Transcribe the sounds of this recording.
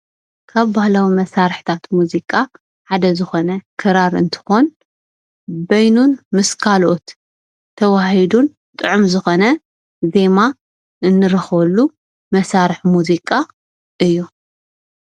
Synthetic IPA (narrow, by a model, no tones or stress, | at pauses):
kʰaβbahlawimɐsaɾɨħt̪ʰat̪muzikʼa | ħad̪ɐzɨxo̞nɐkʰɨɾaɾɨ̰nt̪ʰɨ̥xo̞n | bɐjnunmɨskʰalot̪ʰː | ɐwahid̪un | t̪ʼɨʕumzɨxo̞nɐ | ze̞ma | ʔɨnːɨɾɐxβɐlːu | mɐsaɾɨħmuzikʼa | ʔɨjːu